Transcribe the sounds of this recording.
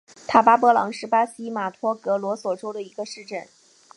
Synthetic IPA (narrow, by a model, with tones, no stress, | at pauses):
t̪ʰa˥˩pa˥pɔ˧˥lɑ̰˧˥ŋʂɻ̩˥˩pa˥ɕi˥ma˨˩t̪ʰwɔ˥kɤ˧˥lwɔ˧˥swɔ˨˩ʈ͡ʂo˥ʊd̪ə˨i˧˥ɡə˧ʂɻ̩˥˧ʈ͡ʂə˥˩n